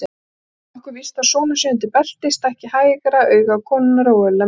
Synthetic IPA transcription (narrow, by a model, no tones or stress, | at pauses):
ɔhkʏɾvist̪asɔːnʏ̥sɛɪnt̪̬ɪpɛl̥t̪ɪst̪ɛhcɪhaːjɪkaɾaœːɥɣakʰɔːnnɾowœlɛ